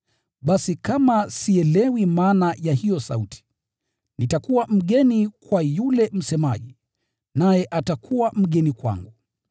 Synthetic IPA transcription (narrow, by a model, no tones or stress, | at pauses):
ɓasikamasiɛlɛwimaːnajahijɔsa̰utʰi̥ | nitakuwam̩ɠɛnikwajulɛm̩sɛma̰ʄi | najɛʔatakʰuwam̩ɠɛnikwa̰ŋɡu